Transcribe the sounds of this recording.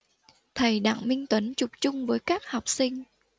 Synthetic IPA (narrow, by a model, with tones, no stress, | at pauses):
t̪ʰə˨˩jɗa̰ː˧˨ŋmï˧ŋ̟t̪wə˨˦nt͡ɕʊ˨˩p̚t͡ɕʊ˧ŋ͡mvəː˨˦jkaː˦˥k̚hɔ˨˩wk͡p̚sï˧ŋ̟